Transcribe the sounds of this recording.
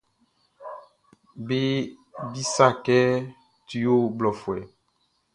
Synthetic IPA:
be˦ | bi˦sa˦˨kɛ˦ | ti˨jo˦blɔ˨fwɛ˨

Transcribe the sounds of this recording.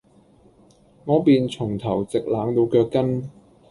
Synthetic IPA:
ŋɔː˨˧piː˨nt͡sʰʊ˨˩ŋt̪ʰɐ˨˩wt͡sɪ˨k̚laː˨˥ŋt̪o˨˧wkœː˧kːɐ˥n

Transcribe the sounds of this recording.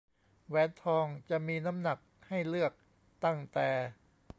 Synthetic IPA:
wɛː˨˦˥nt̪ʰɔː˧ŋt͡ɕa˨˩ʔmiː˧na˦˥mna˨˩k̚ha˥˩jlɯ˥˩ək̚ | t̪a˥˩ŋt̪ɛː˨˩

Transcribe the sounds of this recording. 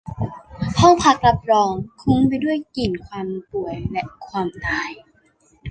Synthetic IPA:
hʰɔ˥˩ŋpʰa˧˥k̚la˦˥p̚ɾɔː˧ŋkʰu˧˦˥ŋpa˧jdu˥˩əjki˨˩nkʰwaː˧mpu˨˩əjlɛ˧ʔkʰwaː˧mnaː˥˩j

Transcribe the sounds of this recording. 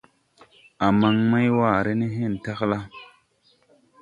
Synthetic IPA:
a˨ma˨ŋma˦jwaː˦˨ɾe˦ni˦ɦe˦˨n˨ta˦kla˦

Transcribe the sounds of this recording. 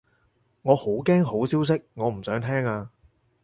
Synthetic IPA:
ŋɔː˨˧ho˨˥wkɛː˥ŋɦo˨˥wsiː˥ws̬ɪ˥k̚ŋɔː˨˧m̩˨˩sœː˨˥ŋt̪ʰɛː˥ŋaː˧

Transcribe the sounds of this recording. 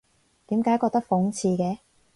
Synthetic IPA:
t̪iː˨˥mkaː˨˥jkɔː˧k̚t̪ɐ˥k̚fʊ˨˥ŋt͡sʰiː˧kɛː˨˧

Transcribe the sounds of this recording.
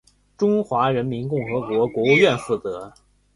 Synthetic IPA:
ʈ͡ʂʊ˥ŋxwa˧˥ɻə˧˥nmi˧˥nkʊ˥˩ŋxɤ˧˥kwɔ˧˥kwɔ˧˥u˥˧ɥɛ˥˧nfu˥˩t͡sɤ˧˥

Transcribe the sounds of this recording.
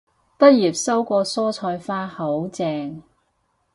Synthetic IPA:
t̪ɐ˥t̚jiː˨˩p̚sɐ˥wkʷɔː˧sɔː˥t͡sʰɔː˧jfaː˥ho˨˥wt͡sɛː˧ŋ

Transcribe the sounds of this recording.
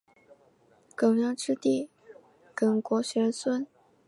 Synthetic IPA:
kɤ˨˩ŋjɑ˥˧ʈ͡ʂɻ̩˥˧t̪i˥˩ | kə˨˥˩nkwɔ˧˥ɕɥɛ˧˥swə˥n

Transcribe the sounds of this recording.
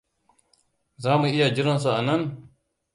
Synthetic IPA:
zaː˦mu˨ʔɪ˦ja˨d͡ʒɪ˦ɾɪ˦ns̬u˨ʔa˨nɐ˦n

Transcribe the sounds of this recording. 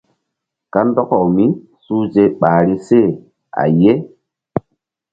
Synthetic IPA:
ka˦ndɔ˦kɔ˨wmi˦ | suː˦d͡ʒe˦ɓaː˨ɾi˦se˦˨ | a̰˨je˦

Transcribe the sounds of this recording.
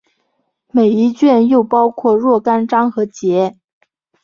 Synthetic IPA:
me˨˩ɪi˧˥t͡ɕɥɛ˥˧njo˥˩ʊpɑ˥ʊkʰwɔ˥˧ɻwɔ˥˩ka˥nʈ͡ʂɑ˥ŋxɤ˧˥t͡ɕjɛ˧˥

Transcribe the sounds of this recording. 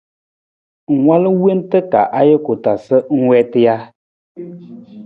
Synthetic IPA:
ŋ̩˨wʷa˦lə˦we˦ntɨ˦ka̰˨ʔa˦je˦ko˨ta˨sə˦ŋ̩˦wɛ˦tɨ˦ja˦

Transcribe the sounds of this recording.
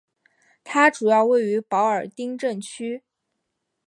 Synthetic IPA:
t̪ʰa˥ʈ͡ʂu˨˩jɑ˥˧ʊwe˥˩ɪy˧˥pɑ˧˥ʊə˞˨˩t̪i˥ŋʈ͡ʂə˥˩nt͡ɕʰy˥

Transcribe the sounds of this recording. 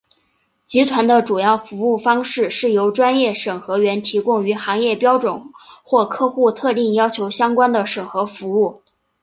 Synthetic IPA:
t͡ɕi˧˥t̪ʰwa˧˥nd̪ə˧ʈ͡ʂu˨˩jɑ˥˩ʊfu˧˥u˥˩fɑ˥ŋʂɻ̩˥˩ʂɻ̩˥˩jo˧˥ʊʈ͡ʂwa˥njɛ˥˩ʂɤ˨˩ŋxɤ˧˥ɥɛ˧˥nt̪ʰi˧˥kʊ˥ŋy˧˥xɑ˧˥ŋjɛ˥˩pjɑ˥ʊʈ͡ʂwʊ˨˩˦nxwɔ˥˧kʰɤ˥˧xu˥˧t̪ʰɤ˥˧t̪i˥˩ŋjɑ˥ʊt͡ɕʰjo˧˥ʊɕjɑ˥ŋkwa˥nd̪ə˨ʂɤ˨˩ŋxɤ˧˥fu˧˥u˥˩

